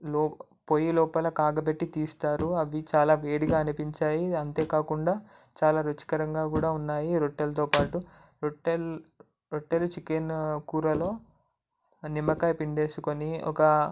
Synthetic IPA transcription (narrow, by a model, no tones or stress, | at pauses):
lɔː | pojilɔːpɐlɐkaːɡɐpeʈːit̪iːst̪aːɾuɐʋit͡ʃaːlaːʋeːɽiɡaːɐnipiɲt͡ʃaːjiɐnt̪e̞ːkaːkuɳɖaː | t͡ʃaːlaːɾot͡ʃi̥kɐɾɐŋɡaːkuːɽaːunːaːjiɾoʈːelɐt̪o̞ːpaːʈu | ɾoʈːel | ɾoʈːelut͡ʃikenkuːɾɐlo̞ː | nimːɐkaːpiɳɖe̞ːsukoniɔ̰kɐ